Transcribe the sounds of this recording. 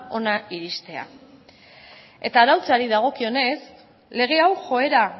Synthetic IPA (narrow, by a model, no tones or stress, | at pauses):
o̞naiɾist̪e̞a̰ | e̞t̪aːɾawt͡saɾiðaɣ̞o̞kio̞ne̞s | le̞ɣ̞e̞awʝo̞e̞ɾa